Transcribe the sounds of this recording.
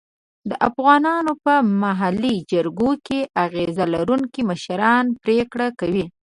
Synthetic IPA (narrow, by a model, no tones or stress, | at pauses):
d̪əʔafɣɑnɑnopəmaɦalid͡ʒəɾɡokeʔaɣezalaɾuŋkiməʃɾɑnpɾekɽakawi